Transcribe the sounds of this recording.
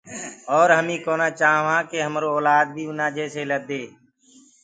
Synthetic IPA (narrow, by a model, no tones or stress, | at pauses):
ɔːɾɦəmĩːkoːnaːt͡ʃaːʋãːkeːɦəmɾoːɔːlaːd̪̚bʱiːʊnaːd͡ʒɛːseːləd̪eː